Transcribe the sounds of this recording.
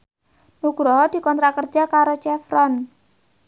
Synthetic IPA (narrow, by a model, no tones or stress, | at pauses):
nuɡ̥ɾɔɦɔd̪̥i̤kɔnt̪ɾakər̥d͡ʒakaɾot͡ʃɛfɾɔn